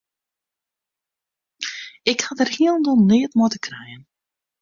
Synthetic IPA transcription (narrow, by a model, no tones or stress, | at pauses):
ɪkhatərhiəlˠndɔlˠniətmotəkrɛjən